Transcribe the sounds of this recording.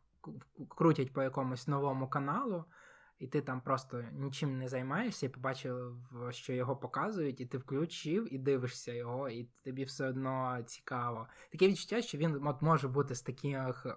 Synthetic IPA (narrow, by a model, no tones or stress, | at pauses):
kɾutʲɐt̚ʲpɔjɐkɔmʊsʲnɔʋɔmʊkɐnɑlˠʊ | it̪ɪt̪ɑmpɾɔst̪ɔnʲit͡ʃɪmnɛzɐjmɑjeʂsʲɐipɔbɑt͡ʃɪwʃt͡ʃɔjɔɦɔpɔkɑzʊjʊtʲit̪ɪwklʲʊt͡ʃɪwid̪ɪʋɪʃsʲɐjɔɦɔit̪ɔbʲiwsɛɔd̪nɔt͡sʲi̥kɑʋɔt̪ɐkʲɛʋʲid̪̚t͡ʃʊ̥tʲːaʃt͡ʃɔʋʲinɔt̪mɔʒɛbut̪ɪst̪ɐkʲix